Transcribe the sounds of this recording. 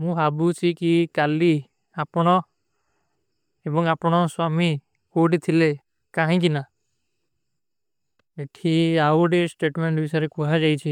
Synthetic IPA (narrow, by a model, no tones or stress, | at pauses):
mũbabut͡ʃʰikikali | apɽ̃ɔ | ebɔŋapɔɽ̃ɔswami | koɖit̪ʰile | kãɦĩkina | eʈʰiauɖesʈeʈmeɳʈbisɔjɾekuɦad͡ʒajt͡ʃʰi